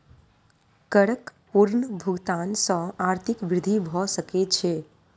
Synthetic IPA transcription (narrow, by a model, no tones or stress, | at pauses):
kəɽəkpuɾnəbʱuɡt̪ansə̃aɾt̪ʰikʋɾɪd̪ʱibʱɔsəkɛt͡ʃʰɛ